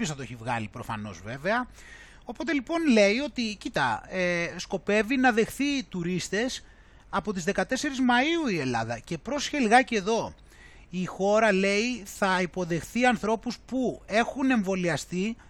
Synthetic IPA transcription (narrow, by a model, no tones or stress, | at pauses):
sθɐt̪oeçivɣɐ̰lipɾo̞fɐ̰no̞̰zve̞ve̞ɐ | o̞po̞t̪e̞lipo̞nle̞io̞t̪icit̪ɐ̰esko̞pe̞vinɐðe̞xθit̪uɾist̪e̞s | ɐpo̞t̪izðe̞kɐt̪e̞se̞ɾizmɐiuie̞lɐ̰ðɐ̰ce̞pɾo̞sçelɣɐce̞ðo̞ | ixo̞ɾɐle̞iθɐipo̞ðe̞xθiɐnθɾo̞puspue̞xune̞ɱvo̞liɐst̪i